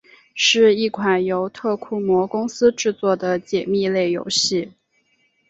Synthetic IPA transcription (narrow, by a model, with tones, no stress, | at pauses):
ʂɻ̩˥˧i˥˩kʰwa˨˩njo˧˥ʊt̪ʰɤ˥˩kʰu˥mwɔ˧˥kʊ˥ŋsɹ̩˥ʈ͡ʂɻ̩˥˧t͡swɔ˥˩d̪ə˩t͡ɕjɛ˨˩mi˥˧le˥˩ɪjo̰˧˥ʊɕi˥˩